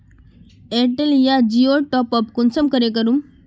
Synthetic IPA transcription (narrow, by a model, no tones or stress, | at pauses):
eʈeljad͡ʑioʈɔpəp̚kunsəmkəɾek̬əɾum